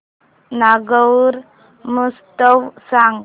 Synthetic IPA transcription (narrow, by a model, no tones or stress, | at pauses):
naɡəwɾ | must̪əwsaŋ